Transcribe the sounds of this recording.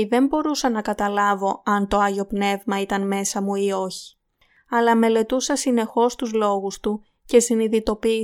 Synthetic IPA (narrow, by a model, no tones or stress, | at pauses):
ðe̞mbo̞ɾusɐnɐkɐt̪ɐlɐvo̞ɐnt̪o̞ɐʝo̞pne̞vmɐit̪ɐnme̞sɐmuio̞çi̥ | ɐlɐme̞le̞t̪usɐsine̞xo̞st̪uzlo̞ɣust̪u | ce̞siniðit̪o̞pi